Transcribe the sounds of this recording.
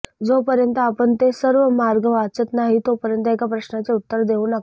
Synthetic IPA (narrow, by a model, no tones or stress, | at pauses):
d͡zopəɾjənt̪əapəɳt̪esəɾʋəmaɾɡəʋat͡sət̪naɦit̪opəɾjənt̪̬əekapɾəɕnat͡seut̪ːəɾd̪euːna